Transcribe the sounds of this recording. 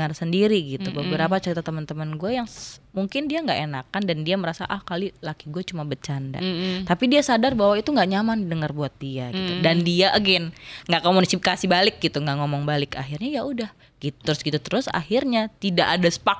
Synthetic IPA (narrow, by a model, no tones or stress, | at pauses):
ərsəndiɾiɡit̪ubəbəɾapat͡ʃəɾit̪at̪əmənt̪əmənɡuajaŋmuŋkɪndiaŋɡaʔenakandandiaməɾasa̰ʔahkalilakiɡuat͡ʃumabət͡ʃanda̰t̪apidiasadarbaɦwait̪uŋɡaʔɲamandəŋərbuat̪̚diaɡit̪udandiaʔəɡɪnŋɡaʔkomunisiikasibalɪk̚ɡit̪uŋɡaʔŋomɔŋbalɪka̰ɦirɲajaʔudah | ɡ̥it̪u̥t̪əɾʊsɡit̪ut̪əɾʊsa̰hirɲat̪idaʔːdasə̥pak